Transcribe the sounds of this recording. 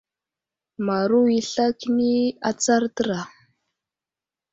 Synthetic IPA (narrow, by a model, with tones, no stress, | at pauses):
ma˨ɾu˦i˨ɬa˦ki˦ni˦a˨t͡sa˦ɾtə˦ɾa˨